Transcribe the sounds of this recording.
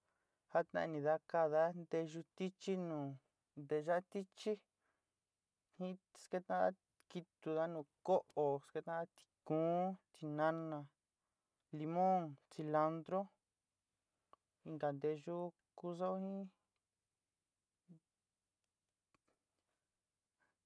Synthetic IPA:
ha˦t̪nã̰˧nĩ˨˧ða˧ka˧ða˦nd̪e˧ʒu˧t̪i˦t͡ʃi˦nũː˨ | nd̪e˧ʒa˦t̪i˦t͡ʃi˦ | hĩ˦ske˧t̪ã˦ða˦ | ki˧t̪u˧ða˦nũː˧˨ko˦ʔo˨ske˧t̪ã˦ða˦t̪i̥˧kũː˨˦t̪i˧nã˧nã˧ | li˧mõ˦ŋt͡si˧la˧nd̪ɾo˦ | i˧ŋɡa˨nd̪e˧ʒu˦ | ku˧so˦hĩ˦

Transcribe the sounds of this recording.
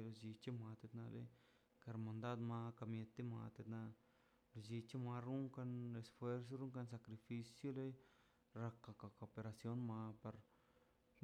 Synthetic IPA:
lo˧d͡ʒi˧t͡ʃe˦ma˧t̪e˧t̪na˧lḛ˦j | ka˧ɾma˨nd̪a˦d̪ma˧ka˧mje˧t̪e˦ma̰˧t̪e˧t̪na˧ | lo˧d͡ʒi˧t͡ʃe˦ma˧ɾu˦ŋka˧ne˧sfwe˧ɾs̬o˦ɾu˦ŋka˧ns̬a˧kɾi˧fi˧sjo˦le˦j | ɾa˧kːa˧ka˧ko˨pe˧ɾa˧sjo˦nma˧pa˧ɾ

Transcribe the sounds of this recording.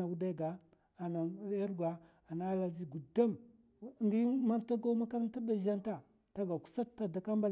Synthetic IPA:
a˨wu˦da˦˨ɡa˨ | a˨na˨˦a˦ɾɡʷa˨ | a˨na˦la˦d͡ʒi˦ɡu˨da˦m | ndi˦ma˦nta˦ɡa˦ma˦ka˦ɾn˦ta˦ba˦ʒa˦nta˦˨ | ta˦ɡa˨ku̥˦sa˦tːa˦da˨ka˦mba˦

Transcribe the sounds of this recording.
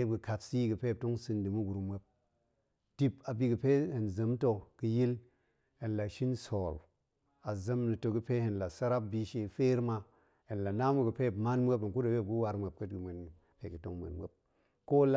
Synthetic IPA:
e˦ɡɨ˨ka˨tsi˦ɡɨ˨pe˦˨p̚to˦ŋsɨ˨ndɨ˨mu˦ɡu˨ɾu˨mʷ˦e˦p̚ | d̥i˨pa˨bi˦ɡɨ˨pe˦he˨nzə˨mto˨ɡ̥ɨ˨ji˦l | e˨nla˨ʃi˦nso˨ɾ | a˨zə˦mnɨ˨to˨ɡɨ˦pe˦he˨nla˨sa˦ɾa˦p̚bi˦ʃe˨fe˦ɾma˨ | e˨nla˨na˦mu˨ɡɨ˨pe˦˨bma˦nmʷe˦pə˨nku˦da˨we˦˨ɡu˦wa˨ɾme˨p̚kə˦tɡɨ˨me˨n | pe˨ɡɨ˨to̰˦ŋmḛ˨nmʷḛ˦p̚ | ko˦la˦

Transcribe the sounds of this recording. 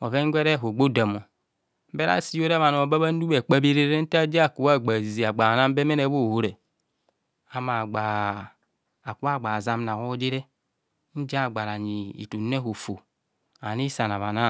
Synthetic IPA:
o˨ve˦ŋ˦ɡʷe˦ɾe˦ɦo˨ɡ͡bo˦˨da˨mo˨ | m̩˦be˦ɾa̰˦si˦jo˦ɾe˦βa˨no˨ba˦βa˦n̩˦du˦be˨k͡pa˦bi˦ɾe˦ɾe˦n̩˦ta˦d͡ʒa˦˨ku˨wa˦˨ɡ͡ba˨zi˨a˨ɡ͡ba˨na˦m˦be˦me˦ne˦bo˦˨wo˦ɾe˨ | a˨ma˨ɡ͡ba˨ | ku˦a˦˨ɡ͡ba˨za˦mna˨wo˦d͡ʒe˦ɾe˦ | n̩˦d͡ʒa˦˨ɡ͡ba˨ɾa˨ɲi˨ḭ˨tu˨˦ne˦ɦo˨fo˨ | a˨ni˦sa˨na˨βa˨na˦

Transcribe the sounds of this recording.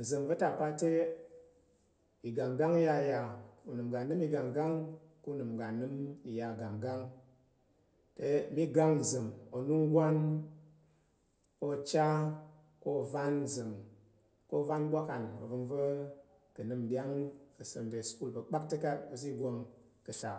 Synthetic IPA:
n̩˨zɨ˨ŋvə˦ta˦˨pa˧te˦ | i˨ɡa˨ŋɡa˦ŋi˦ja˧˨ja˧ku˨nɨ˨mɡa˨nɨ˦mi˧ɡa˨ŋɡa˦ŋ | ku˦nɨ˨mɡa˨nːɨ˦mi˨ja˨ɡa˨ŋɡa˦ŋ | te˨˧˨mi˦ɡa˧ŋ̩˨zɨ˨ŋo˨nu˦ŋ˦ɡʷa˦n | ko˦˨t͡ʃa˦ | ko˦˨va˦nzɨ˨ŋ | ko˦˨va˦nbʷa˦ka˨no̰˨vɨ˧ŋvə˦ | kɨ˨nɨ˧mdʲa˦ŋ˦nkɨ˨sə̰˧nde˨sku˦lbə˨k͡pa˦k̚te˦ka˦o˨zi˦˨ɡo˧ŋ | kɨ˨ʃa˨

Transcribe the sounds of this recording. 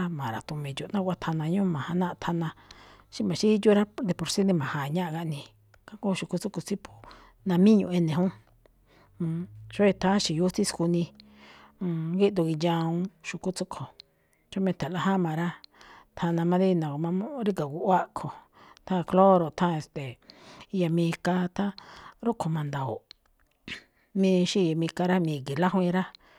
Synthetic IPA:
a˦mã˨ɾa˨t̪u˧mĩ˧d͡ʒu˨nã˦kʷa˦t̪ʰa˧nã˧ɲũ˦˧mã˨ha˧nã˦ʔt̪ʰa˧nã˧ʃi˦mã˨ʃi˦ju˦ɾa˦d̪e˧po˧ɾsi˦nẽ˧mã˨hã˨ɲã˦ʔɣa˧ʔnĩ˧ | kã˦ko˦˧ʃu˨ku˧t͡su˦ko˨t͡si˦pʰu̥˨ | nã˧mĩ˦ɲṵ̃˧˨e˧nẽ˨ɦũ˦˧˨ | ʃo˦e˧t̪ʰã˦ʃi˨ju˦t͡si˦sku˧nĩ˧ | ɡi˦d̪u˧ɣi˧jã˧ũ˧ʃu˧ku˦t͡su˦kʰo˨ | t͡ʃo˦mẽ˧t̪ʰa˨la˧ɦã˦mã˧ɾa˦t̪ʰã˧nã˧mã˧ði˦˧nã˨˧mã˧˦ɾi˦ka˨ku˧ʔwa˦kʰo˨ | t̪ʰã˦˧klo˦ɾo˨t̪ʰã˦˧e˧st̪e˨˧ja˧mĩ˧ka˧t̪ʰã˦ɾu˦kʰo˨mã˧nd̪a˨o̰˨ | mĩ˧ʃi˦˧ja˨mĩ˧ka˧ɾa˦mĩː˧˨ki˨la˦ɦĩ˧ɾa˦

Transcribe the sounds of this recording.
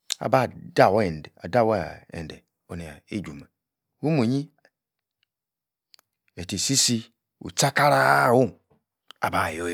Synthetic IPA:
a̰˨ba˦˨da˦˨wn˨a˨da˦˨wa˦˨ḛ˨n˨dḛ˨ | o˨ni˨a̰˨ḛ˦˨d͡ʒu˨ma˨ | wu˦mo˨ɲi˦ | e˨te˨si˦si˦ | ṵ˨t͡ʃa˦ka˦ɾa˦˨wu˦ | a̰˨ba˨jo˦˨

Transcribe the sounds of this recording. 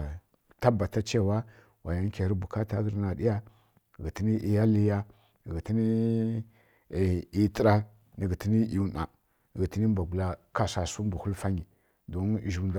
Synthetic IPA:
ta˦ba˨ta˦t͡ʃe˦˨wa˦ | wʔa˨ja˦n˦kʲa˨ɾi˦bu˨ka˦ta˦ɡə˦ɾna˨ɗi˦ja˦˨ | ɡi˨ti˦ni˦ʔi˨ja˦li˦ja˦˨ | ɡi˨ti˦ni˦˨ | i˨tə˦ɾa˦ | ni˨ɡə˨ti˦ni˦i˨u˨na̰˨ | ɡi˨ti˦ni˦m˦ba˨ɡu˨la˨ka˨sa˨su˦mbu˨hu˦lfa˦ɲi˨ | do˦n˨ʒu˨nda˨

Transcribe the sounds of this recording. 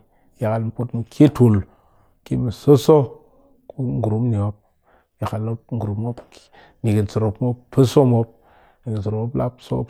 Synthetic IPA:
ja˨ka˨lm˨pu˦tn˨kʰi˦tu˨l | ki˦mi˨so˦so˦ | ku˦ŋ˦ɡu˨ɾu˨˦m˦ni˨o˦p̚ | ja˨ka˨lo˦p̚ŋ˦ɡu˨ɾu˨mo˦pk | ni˨ki˨nso˨ɾo˨pmo˦ppːə˦so˦mo˦p̚ | ni˨ɡi˨nso˨ɾo˨o˦pla̰˦pso̰˦p

